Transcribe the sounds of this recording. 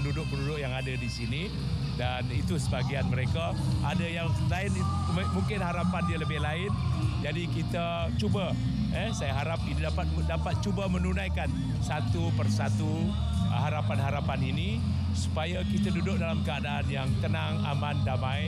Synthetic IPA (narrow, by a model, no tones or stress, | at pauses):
ndudʊʔ̚bəɾudʊʔjaŋadadisini | danit̪usəbaɡianməɾeka | ʔa̰dajaŋlaɪn | muŋkɪnɦaɾapanialəbɪhlaɪnd͡ʒadikit̪a | t͡ʃuba | ɛsajaɦaɾap̚inidapat̪̚dapat̪̚t͡ʃubamənunãjkan | sat̪upərsat̪u | ɦaɾapanɦaɾapanini | su̥pajakit̪adudʊʔ̚dalamkəadaʔːnjaŋt̪ənaŋa̰mandamãj